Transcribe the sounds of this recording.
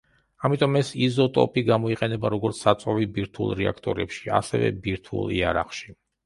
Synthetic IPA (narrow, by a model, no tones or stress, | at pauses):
amit̪ʼɔmɛsizɔt̪ʼɔ̰pʰʼiɡamɔiqʼɛnɛbaɾɔɡɔɾt̪sʰsat̪sʼɔvibiɾt̪ʰulˠɾɛakʰt̪ʼɔɾɛpʃia̰sɛvɛ̰biɾt̪ʰṵlˠḭaɾa̰χʃi